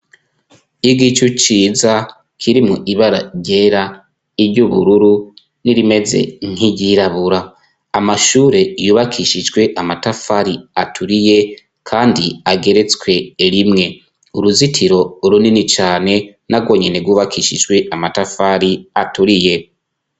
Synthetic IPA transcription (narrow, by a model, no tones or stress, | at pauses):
iɡit͡ʃut͡ʃiːza | kʰiɾimŋoʔiβaɾa̰ɟe̞ɾa | iɾɟuβuɾuɾu | niɾime̞ze̞̰ŋ̥hiɟiɾaβuɾa | amaʃuːɾe̞juːβakʰiʃid͡ʒɡwe̞ʔamatafaɾiatʰuɾije̞ | kʰaːndiaɡe̞ɾe̞t͡swe̞ɾimŋe̞ | uɾuzitʰiɾo̞uɾuninit͡ʃaːne̞ | naɡwo̞ːɲene̞ɡwuːβakʰiʃid͡ʒɡwe̞amatafaɾiatuɾije̞